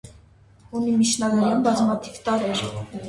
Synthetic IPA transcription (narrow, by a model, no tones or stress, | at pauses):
unimit͡ʃʰnɑɡɑɾunbɑzmɑt̪ʰivt̪ɑɾɛɾ